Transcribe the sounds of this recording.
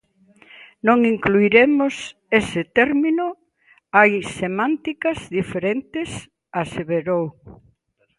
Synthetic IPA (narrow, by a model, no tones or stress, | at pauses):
nõŋiŋkluiɾemʊsesɪt̪ɛɾminʊ | ajsemãnt̪ikɐzðifeɾent̪ɪs | aseβeɾow